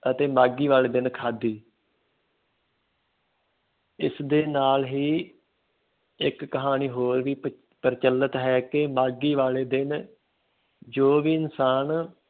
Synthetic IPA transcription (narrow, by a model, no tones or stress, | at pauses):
ət̪eːmaːɡiːʋaːleːd̪ɪnkʰaːd̪iː | ɪsd̪eːnaːlɦiː | ɪkːəɦaːniːɦoːɾʋiː | pəɾt͡ʃəlːət̪ɦɛːkɪmaːɡiːʋaːleːd̪ɪn | d͡ʒoːʋiːɪnsaːn